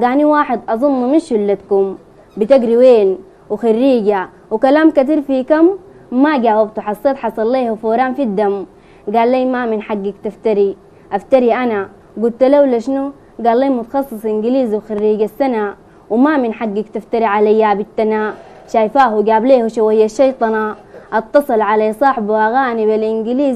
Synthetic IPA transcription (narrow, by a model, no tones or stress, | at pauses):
ɡaːniwaːħɪd̪ʔɑzˤunːuminʃulːat̪kum | bit̪aɡɾiweːn | wixarːiːɡa | wikalaːmkat̪̬iːɾfikamː | aɡaːwabt̪uħɑsˤːeːt̪ħɑsˤɑlːeːhufoːɾaːnfid̪ːam | ɡaːlːaːmaminħaɡːakt̪aft̪aɾi | ʔaft̪aɾiʔana | ɡult̪lawlaʃnu | ɡaːlːiːmut̪ɑ̥xɑsˤːɨsˤʔiŋɡiliːzwxarːiːɡasːana | wmaminħaɡːakt̪aft̪aɾiʕalajːabit̪ːana | ʃaːjfaːɦuɡaːbleːhuʃawajːaʃːɑjt̪ˤɑnɑ | ʔɑt̪ːɑsˤɨlʕalasˤɑːħbwʔaɣaːnibalʔiŋɡiliːz